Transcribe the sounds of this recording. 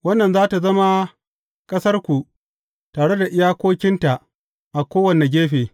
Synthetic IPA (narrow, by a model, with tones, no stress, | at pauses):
wɐ˦nːɐ˨nzaː˦ta˨zɐ˦ma˦ | kʼɐ˦sɐ˦rkʷu˨ʔ | taː˨ɽe˦da˨ʔɪ˦jaː˦kʷoː˦kʲɪ˦nta˨ʔ | ʔa˨kʷoː˦wɐ˨ne˨ɡʲeː˦ɸeː˨